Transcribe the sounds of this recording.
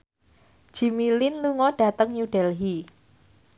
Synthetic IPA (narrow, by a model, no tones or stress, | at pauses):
ʒ̥i̤milɪnluŋɔɖ̥a̤t̪əŋjuɖ̥ɛlɦi